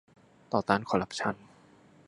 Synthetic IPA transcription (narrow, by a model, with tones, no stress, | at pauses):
t̪ɔː˨˩t̪aː˧˩˨nkʰɔ˧˩ɾa˦˥p̚t͡ɕʰa˧˥˨n